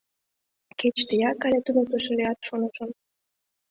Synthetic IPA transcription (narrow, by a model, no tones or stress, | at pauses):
ket͡ɕt̪əjɑkɑlʲet̪unək̚t̪əʃĕleɑt̪ʃonə̆ʃə̆n